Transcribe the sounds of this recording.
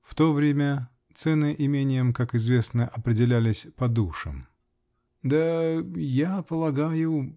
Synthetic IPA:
ft̪o̞vɾʲemʲə | t̪sɛnɨʔɪmʲenʲɪjəmkakɪzvʲe̞snəʔɐpɾʲɪdʲɪlʲælʲɪsʲpɐd̪uʂɨ̰m | d̪ajapəlˠɐɡajʊ

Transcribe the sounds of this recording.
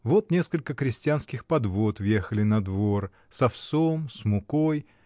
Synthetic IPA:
vo̞t̪nʲe̞skəlʲkəkɾʲɪsʲtʲɪanskʲɪxpɐd̪vo̞t̪vjexəlʲɪnɐd̪vo̞r | sɐfsomsmʊkoj

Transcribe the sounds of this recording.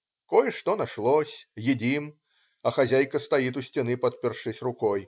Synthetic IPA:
kɔjʂt̪ɔnaʂlˠɔsʲjid͡zʲim | ɐxazʲajkɐst̪ajit̪̬usʲt͡sʲɛnɨpɐt̪̚pʲɛrʂɨsʲrukɔj

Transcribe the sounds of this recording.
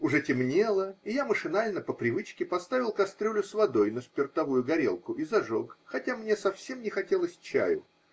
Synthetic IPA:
ʊʐɛtʲɪmnʲe̞lˠəɪjaməʂɨnalʲnəpəpɾʲɪvɨt͡ɕkʲɪpɐst̪avʲɪlˠkɐst̪ɾʲolʲʊsvɐd̪o̞jnəspʲɪrt̪ɐvujʊɡɐɾʲḛlˠkʊʔizɐʐokxɐtʲamnʲesɐfsʲe̞mnʲɪxɐtʲelˠəsʲt͡ɕa̰jʊ

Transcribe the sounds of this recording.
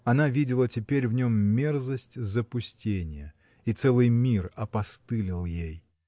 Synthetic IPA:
ɐnavʲidʲɪlˠətʲɪpʲeɾʲvnʲo̞mːʲe̞rzəsʲtʲzəpʊsʲtʲenʲɪjə | it̪sɛlˠɨjmʲirɐpɐst̪ɨlʲɪlˠjej

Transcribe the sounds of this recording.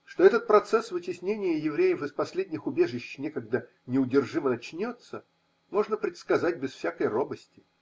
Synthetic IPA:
ʂt̪o̞ɛt̪ət̪̚pɾɐt̪sɛsvɨtʲɪsʲnʲenʲɪjəjɪvɾʲejəfɨspɐsʲlʲedʲnʲɪxʊbʲe̞ʐɨɕːnʲekɐɡd̪a | nʲɪʊdʲɪrʐɨmənɐt͡ɕnʲo̞t̪sə | mo̞ʐnəpɾʲɪt̪skɐzat̚ʲbʲɪsfsʲakəjrobəsʲtʲɪ̥

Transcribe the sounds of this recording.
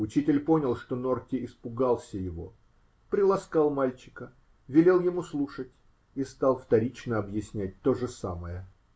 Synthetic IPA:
ʊt͡ɕitʲɪlʲpo̞nʲəlˠʂt̪o̞no̞rkʲɪɪspʊɡalˠsʲəjɪvo̞̰ | pɾʲɪlˠɐskalˠmalʲt͡ɕɪ̥kə | vʲɪlʲe̞lˠjɪmuslˠuʂət̚ʲ | ist̪ɑlˠft̪ɐɾʲit͡ɕnəɐbjɪsʲnʲæt̚ʲt̪o̞ʐɨsa̰məjə

